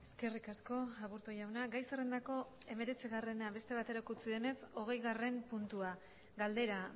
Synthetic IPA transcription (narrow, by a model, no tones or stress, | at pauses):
e̞ske̞rikasko̞aβuɾt̪oʝawnaɡajsere̞nd̪ako̞ | e̞me̞ɾe̞t͡siɣare̞naβe̞st̪e̞β̞at̪e̞ɾokut͡siðe̞ne̞so̞ɣ̞e̞jɣare̞mpunt̪ua | ɡald̪e̞ɾa